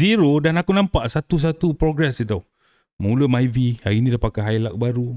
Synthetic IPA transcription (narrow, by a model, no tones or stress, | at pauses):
iɾodanakunampaʔsat̪us̬at̪upɾoɡɾɛsit̪aw | məulumajvihaɾinĩdapakaɦajlak̚baɾu